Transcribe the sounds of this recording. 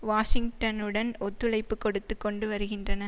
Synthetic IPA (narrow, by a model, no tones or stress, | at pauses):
ʋaːʂɪŋʈɐnɯɽɐnɔt̪ːɯlɐɪpːɯkːɔɽɯt̪ːɯkːɔɳɖɯʋɐɾɯɣɪndrɐnɐ